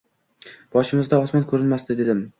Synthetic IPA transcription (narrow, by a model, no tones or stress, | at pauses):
b̥ɒʃɪmɪzd̪aɒsmɒnkʰɵɾɪnmastd̪ɪd̪e̞d̪ɪm